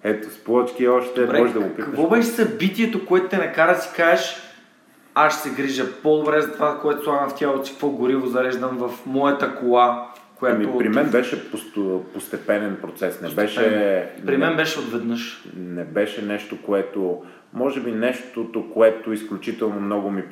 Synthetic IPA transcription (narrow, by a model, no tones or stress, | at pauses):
ɛt̪splˠɔt͡ʃkiɔʃt̪ɛmɔʒɛd̪ɡopikɐk̪vɔbɛʃɛsɐbit̪iɛt̪okoɛt̪ʊ̥t̪ɛnɛkaɾɐd̪si̥kaɛʃ | aʃsɛɡɾiʒəpɔd̪obɾɛzɐt̪ovakoɛt̪osanɐft̪ʲjalˠot̪si̥kkvɔɡʊɾivozɐɾɛʒd̪ɐmvɐfmɔjɐt̪ɐkolˠa | kojaamiopɾimɛnbɛʃɛpost̪opost̪ɛpɛnɛnpɾot̪sɛsnɛbɛʃɛpɾimɛnbɛʃɛot̪vɛd̪nɤʃnɛbɛʃɛnɛʃt̪okoɛt̪o | mɔʒɛbinɛʃt̪ot̪okoɛt̪oisklʲut͡ʃit̪ɛlˠnomnɔɡʊmi